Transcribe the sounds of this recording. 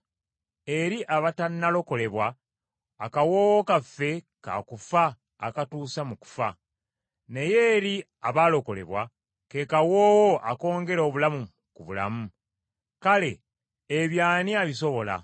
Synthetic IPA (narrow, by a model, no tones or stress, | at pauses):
e̞ɾiʔaβatanːalo̞ko̞le̞βwaː | kawoːwokafːe̞ka̰kufaː | katuːsamuku̥fa | ne̞je̞ːɾi | aβaːlo̞ko̞le̞̰βwa | ke̞kawoːwoʔako̞ːŋɡe̞ɾo̞βulamu | kuβṵla̰mu | kale̞ː | βjaːniaβiso̞βo̞la̰